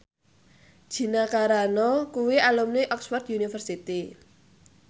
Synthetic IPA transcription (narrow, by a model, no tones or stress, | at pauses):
d̥ʒ̥i̤nakaɾanɔkuwialumniʔɔkswɔrt̪junifərsit̪i